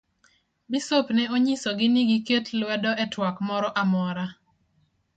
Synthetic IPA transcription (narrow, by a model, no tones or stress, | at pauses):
bisopnɛoɲisoɡɪniɡiketlwɛdɔʔɛtwakmɔɾɔʔamɔɾa